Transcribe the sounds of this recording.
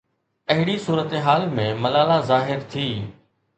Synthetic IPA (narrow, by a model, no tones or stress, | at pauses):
ɐɦɪɽisuːɾət̪eɦaːlmẽmɐlaːlazaːɦɪɾt̪ʰiː